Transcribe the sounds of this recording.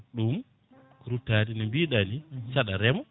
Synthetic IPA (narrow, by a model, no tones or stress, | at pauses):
ɗum | kuɾutːadinimbiɗanisaɗaɾɛmɔ